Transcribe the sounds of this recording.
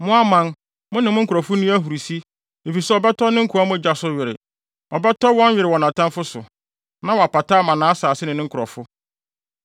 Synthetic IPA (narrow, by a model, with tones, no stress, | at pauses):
mʊ̃˦a˦mã˦n | mʊ̃˦nɪ̃˨mʊ̃˦ŋ̩˦kʰʊ˨ɾɔ˨fʊ˦nĩ˦æ˦ɦu˨ɾi˨si˦ | e˨fi˨sɛ˦ɔ˨bɛ˦tʰɔ˦nɪ̃˦ŋ̩˦kʰu˨a˦mʊ̃˦˨d͡ʑa˨sʊ˦ɥɪ˨ɾɪ̰˨ | ɔ˨bɛ˦tʰɔ˦wɔ̃˦n˦ɥɪ˨ɾɪ˨wɔ˨nã˨tʰã˦mfʊ˦sʊ˨ | nã˦wɔ˨a˨pa˨tʰa˦mã˨nãː˨˦saː˨sɪ˦nɪ̃˨nɪ̃˦ŋ̩˦kʰɾɔ̰˨fʊ˦